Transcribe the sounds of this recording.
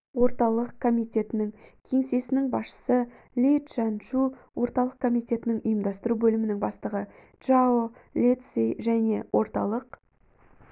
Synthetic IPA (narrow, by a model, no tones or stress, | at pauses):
wo̞ɾt̪ɑlˠəq̚kʰo̞mijt̪ʲe̞t̪ɪnɪŋkʲʰe̞ŋse̞sɪnɪŋbɑsʃə̥sə | lʲet̪ʒɑnʃuwo̞ɾt̪ɑlˠəqkʰo̞mijt̪e̞t̪ɪnɪŋʊjəmd̪ɑst̪əɾubɵlɪmɪnɪŋbɑst̪əʁə | ʒaolʲet̪sejʒæne̞wʔo̞ɾt̪ɑ̰lˠəq